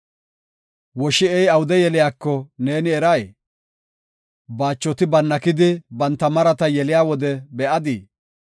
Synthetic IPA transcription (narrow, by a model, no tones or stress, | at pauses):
wɔʃɪɛjɐwʊd̪ɛjɛlɪjaːkːɔne̞ːnɪɛɾɐj | baːt͡ʃːɔt̪ɪbɐnːɐkɪd̪ɪbɐnt̪ːɐmɐɾɐt̪ɐjɛlɪjaːwɔd̪ɛbɛʔɐd̪iː